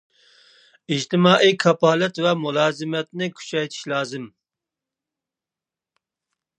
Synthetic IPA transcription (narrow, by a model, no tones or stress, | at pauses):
id͡ʒt̪ʰɪmɑːʔijkʰɑpɑːlɛt̪vɛmulˠɑːzɨmɛt̪nɪkʲʰy̥t͡ʃʰɛjt̪ʰi̥ʃlˠɑːzɨm